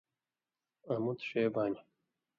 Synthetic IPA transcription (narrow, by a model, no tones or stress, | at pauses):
ɐmut̪ʃeːbaːnʲi